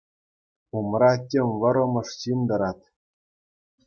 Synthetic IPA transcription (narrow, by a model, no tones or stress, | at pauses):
umrɑtʲemʲʋɤ̆ɾɤ̆mɤ̆ʂɕind̪ɤ̆ɾɑt̪ʲ